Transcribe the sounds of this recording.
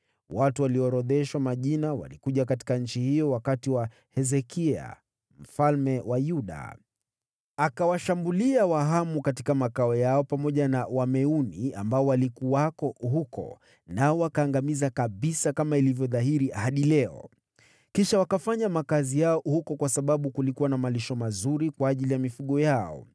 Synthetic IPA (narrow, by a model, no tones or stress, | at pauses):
watuwaliɔɾɔðɛʃwamaʄinawa̰likuʄakati̥kaɲ̩t͡ʃihijɔwakatiwa | hɛzɛkia̰ | m̩falmɛwajuɗa̰ | akawaʃambuliawaɦamukati̥kamakaɔjaɔpamɔʄanawamɛunia̰mbaɔwalikuwakɔɦukɔ̰ | naɔwakaːŋɡamizakaɓisakamailivjɔðaɦiɾihaɗilɛɔ̰ | kiʃawakafaɲamakazijaɔhukɔkwasaɓaɓukulikuwanamaliʃɔmazuɾikwaːʄilijamifuɠɔjaɔ̰